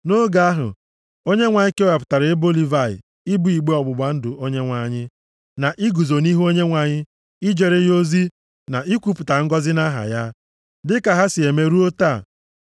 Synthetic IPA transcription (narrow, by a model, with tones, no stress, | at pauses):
no˦ɡa˦a˦ɦʊ̰˨ | o˦ɲe˦ŋʷa˨ɲɪ˦ke˦a˨pʊ̥˨ta˨ɾe˨˦bo˦li˦va˨ɪ̰˨ | i˦bu˦˨i˨ɡ͡be˦ɔ˨ɡ͡bʊ˨ɡ͡ba˦n̩˦dʊ˨ʔo˦ɲe˦ŋʷa˨ɲɪ˦ | na˨ʔi˦ɡu˨zo˨ni˦ɦo˦ɲe˦ŋʷa˨ɲɪ˦ | i˦d͡ʒe˨ɾe˦jo˦zi˦ | na˨ʔi˦kʷu˦pʊ˨ta˨ŋ̩˦ɡɔ˦zɪ˦na˦ɦa̰˨ja˦ | dɪ˦ka˨ɦa˦si˨e˨me˦ɾu˦o˦ta˦˨